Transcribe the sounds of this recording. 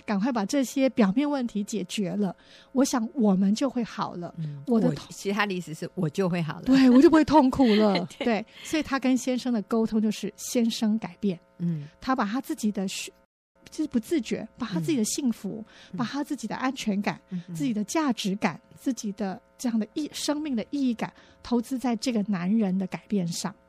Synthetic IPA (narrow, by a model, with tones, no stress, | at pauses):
ka˨˩nkwa˥˩ɪpa˨˩ʈ͡ʂɤ˥˩ɕjɛ˥pjɑ˨˩ʊmjɛ˥˧nwə˥˩nt̪ʰi˧˥t͡ɕjɛ˨˩t͡ɕɥɛ˧˥lə˧ | wɔ˧˥ɕjɑ˨˧˥ŋwɔ˨˩mə˦nt͡ɕjo˥˧ʊxwe˥˩ɪxɑ˨˩ʊlə̰˦wɔ˨˩d̪ə˦t̪ʰt͡ɕʰi˧˥t̪ʰa˥li˥˩ʂɻ̩˨˩ʂɻ̩˥˩wɔ˨˩t͡ɕjo˥˧ʊxwe˥˩ɪxɑ̰˨˩ʊlt̪we˥˩ɪwɔ˨˩t͡ɕjo˥˧xwe˥˧t̪ʰʊ˥˩ŋkʰu˨˩lə˧˦t̪we˥˩ɪswɔ˧˥i˨˩t̪ʰa˥kə˥nɕjɛ˥nʂɤ˥ŋd̪ə˨ko˥ʊt̪ʰʊ˥ŋt͡ɕjo˥˧ʊʂɻ̩˥˩ɕjɛ˥nʂɤ˥ŋka˨˩ɪpjɛ˥˩nt̪ʰa˥pa˨˩t̪ʰa˥t͡sɹ̩˥˩t͡ɕi˨˩d̪ə˦ɕ | pu˧˥t͡sɹ̩˥˩t͡ɕɥɛ̰˧˥pa˨˩t̪ʰa˥t͡sɹ̩˥˩t͡ɕi˨˩d̪ə˦ɕi˥˩ŋfṵ˧˥pa˨˩t̪ʰa˥t͡sɹ̩˥˩t͡ɕi˨˩d̪ə̰˦ʔa˥nt͡ɕʰɥɛ˧˥nka̰˨˩˦nt͡sɹ̩˥˩t͡ɕi˨˩d̪ə˦t͡ɕja˥˩ʈ͡ʂɻ̩˧˥ka˨˩˦nt͡sɹ̩˥˩t͡ɕi˨˩d̪ə˦ʈ͡ʂɤ˥˧jɑ˥˩ŋd̪ə˩i˥˩ʂɤ˥ŋmi˥˩ŋd̪ə˩ʔi˥˧i˥˩ka̰˨˩˦n | t̪ʰo˧˥ʊt͡sɹ̩˥t͡sa˥˧ɪʈ͡ʂɤ˥˩ɡə˩na˧˥nɻə˧˥nd̪ə˧ka˨˩ɪpjɛ˥˧nʂɑ̰˥˩ŋ